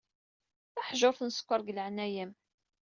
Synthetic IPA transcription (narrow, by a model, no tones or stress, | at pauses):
θæħʒoɾˤθənsə̥kʷːəɾˤɡələʕnæjəm